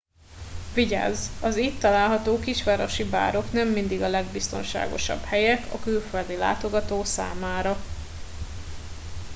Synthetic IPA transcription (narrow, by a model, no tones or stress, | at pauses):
viɟa̰ːzɒziːt̪ːɒlaːlɦɒt̪oːkiʃʋaːɾo̞ʃiba̰ːɾo̞knɛmːind̪iɡɒlɛɡbist̪o̞̰nʃa̰ːɡo̞̰ʃɒ̰b̥hɛjɛkɒ̰kylføld̪ila̰ːt̪o̞ɡɒt̪oːsa̰ːmaːɾɒ